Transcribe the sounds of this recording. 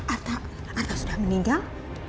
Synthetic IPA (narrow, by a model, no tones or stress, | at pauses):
ʔart̪a | art̪asudahməniŋɡal